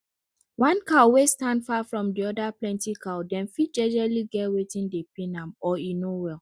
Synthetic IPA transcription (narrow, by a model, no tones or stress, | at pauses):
wãnkaʊwestãndfafɹɔ̃mdiɔdaplɛ̃ntikʰaʊdɛ̃nfit̚d͡ʒɛ̃d͡ʒɹaliɡɛtwetĩndepinãmɔinowɛl